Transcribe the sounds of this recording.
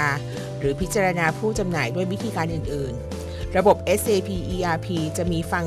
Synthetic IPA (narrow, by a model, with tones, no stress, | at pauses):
ɾɯː˩˦pʰi˦˥t̪̚t͡ɕaː˧ɾa˧naː˧pʰuː˥˩t͡ɕa˧mnaː˩˦jdu˥˩əjwi˦˥t̪ʰiː˧kaː˧nʔɯː˨˩nʔɯː˨˩n | ɾa˧bo˨˩p̚ʔe˦˥sʔeː˧pʰiː˧ʔiː˧ʔaː˧pʰiː˧t͡ɕa˨˩ʔmiː˧fa˨˩ŋ